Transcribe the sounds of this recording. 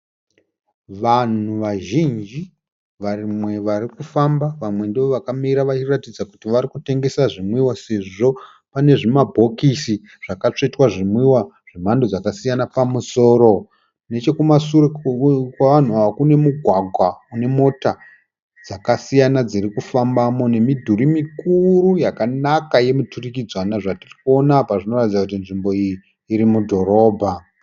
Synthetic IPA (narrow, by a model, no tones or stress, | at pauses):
ʋan̤uʋaʒind͡ʒi | ʋarimwe̞ʋarikufambaʋamwe̞ndiʋo̞ʋakamiɾaʋat͡ʃiratid͡zakutiʋaɾikute̞ŋɡe̞saʐimwiwase̞ʐʐo | pane̞ʐimabʱo̞kisi | ʐ̥akat͡ʂetwaʐimwiwaʐ̥im̤andod͡zakasijanapamuso̞ːɾo̞ | ne̞t͡ʃe̞kumasurkwaʋan̤uaʋakune̞muɡʱwaɡʱwaune̞mo̞ta | d͡zakasijanad͡zirikufambamo̞ne̞midʱuɾimikurujakanakaje̞muturikid͡zwanaʐatirikuo̞napaʐino̞ratid͡zakutinʐimbo̞ijiː | ɾimudʱo̞ɾo̞ːbʱa